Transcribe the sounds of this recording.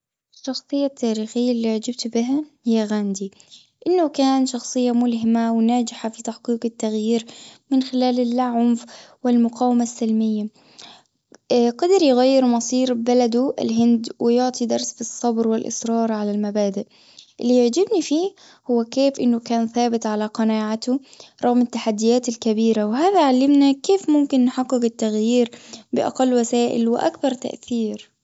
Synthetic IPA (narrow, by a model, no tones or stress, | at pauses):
ʔɪʃːɑxsˤɨjːat̪ʰːaːɾiːxɪjːalːiʕd͡ʒɪb̚t̪bɪɦahɪjːaɣaːnd̪i | ʔɪnːʊkaːnʃɑxsˤɨjːamʊlɦɪmawnaːd͡ʒɪħafit̪aħqiːqɪt̪ːaɣjiːɾmɪnxɪlaːlɪlːaʕʊmfwɪlmʊqɑːwɪmasːɪlmɪjːa | qɑd̪ɪɾjɣajːɪɾmɑsˤiːɾbalad̪uʔɪ̰lɦɪnd̪wɪjʊʕt̪ˤid̪ɑɾˤsfisˤːɑbɾwɪlʔɪ̰sɾˤɑːɾˤʕalalmabaːd̪ɪʔ | ʔɪlːijɪʕd͡ʒɪbnifiː | hʊwːakeːfʔɪnːʊkaːnθaːbɪt̪ʕalaqɑnaːʕat̪ʊɾˤɑɣmɪt̪ːaħad̪ːɪjaːt̪ɪlkabiːɾawɪɦaːðaʕalːɪmnakeːfmʊmkɪnːħaqːɪqɪt̪ːaɣjiːɾbɪʔa̰qɑlːwasaːʔɪ̰lwɪʔa̰kbɑɾˤt̪a̰ʔθiːɾ